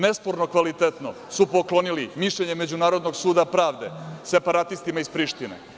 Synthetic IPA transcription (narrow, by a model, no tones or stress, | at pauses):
nespoɾnokʋalit̪et̪no̞ | supoklo̞nilimiʃʎeɲeme̞d͡ʑunaːɾo̞d̪noɡsuːd̪apɾaːʋd̪ese̞paɾat̪ist̪imaispɾiʃt̪inḛ